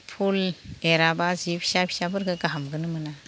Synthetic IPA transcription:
pʰuleɾabazipʰi̥sapʰi̥sabɯɾɡɯɡaɦamɡɯnɯmɯna

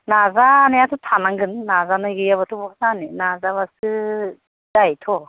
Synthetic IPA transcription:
nazanajasʰutʰanaŋɡɯnːazanɯɡɯjaβatʰubɔksaninazaβasɯ | d̥ajtʰɔ

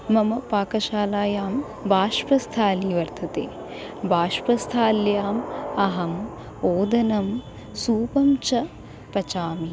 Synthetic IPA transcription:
mɐmɐpaːkɐʃaːlaːjaːm | bʱaːʃpɐst̪ʰaːliːʋɐɾt̪ʰɐt̪ḛː | bʱaːʃpɐst̪ʰaːljaːmɐɦɐm | oːd̪ɐnɐm | suːpɐmt͡ʃɐ | pɐt͡ʃaːmi

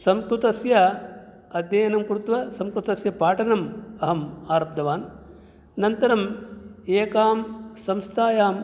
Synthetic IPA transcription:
sɐmkɾut̪ɐsjɐ | ɐd̪jɐjɐnɐmkɾut̪ʋɐsɐmkɾut̪ɐsjɐpaːʈɐnɐmɐɦɐmaːɾɐp̚d̪ʱɐʋaːn | nɐnt̪ɐɾɐmeːkaːmsɐmst̪ʰaːjaːm

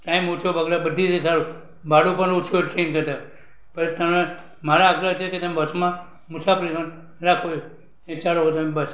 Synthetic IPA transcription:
ʈaimot͡ʃʰoʋəɡɾabəd̪ʱit͡ʃʰesaɾu | baɽũpəɳot͡ʃʰoeɾʈɾenkəɾt̪a | pəlt̪əme | maɾaːɡɾət͡ʃʰeket̪əmebət͡ʃmã | mʊsapəlikən | ɾakʰojo | ẽt͡ʃaloɦot̪əmebət͡ʃʰ

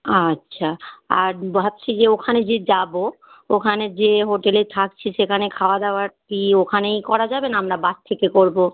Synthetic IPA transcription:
atːɕʰaaɾbʱab̚t͡ɕʰid͡ʑeokʰaned͡ʑed͡ʑabo | okʰaned͡ʑeɦoʈelet̪ʰak̚t͡ɕʰiʃekʰanekʰaoad̪aoaɾʈiokʰanejkɔɾad͡ʑabenaamɾabast̪ʰekekoɾbo

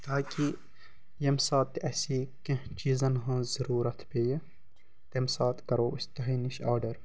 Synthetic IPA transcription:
t̪ʰaːki | jɐmsaːt̪ːɐsiːkɐ̃t͡ʃiːzɐnɦɐ̃ːzɐɾuːɾɐt̪ʰpeːje | t̪emsaːt̪kɐɾoːɪst̪ɐɦiːniʃaːɾɖɐɾ

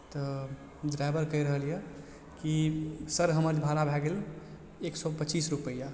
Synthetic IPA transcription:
t̪ɔ | d̪ɾabəɾkəiɾəɦəlje | kisəɾɦəməɾd͡ʒbʱaɾabʱɛɡel | eksɔpət͡ʃisɾupəja

